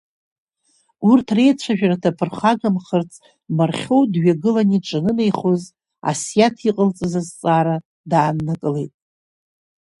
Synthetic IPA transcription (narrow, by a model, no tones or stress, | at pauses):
urtʰre̞jt͡ɕʷʰaʒᶣaratʰapʰɨrχaɡamχərt͡sʰʼ | marχʲo̞wdɥaɡɨlaniʈ͡ʂʼɨnɨne̞jχoz | a̰sjatʰiqʼəlt͡sʼɨzazt͡sʼaːɾa | daːnnakʼɨle̞jtʼ